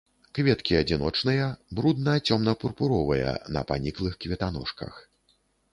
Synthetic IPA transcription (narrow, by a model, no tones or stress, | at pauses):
kvʲɛt̪kʲiɐd͡zʲinɔt͡ʂnɨjɐbɾud̪̚nɐjɐt͡sʲɔmnɐpurpuɾɔvɐjɐ̰nɐ̰panʲiklˠɨxkvʲɛt̪anɔ̰ʂkɐ̰x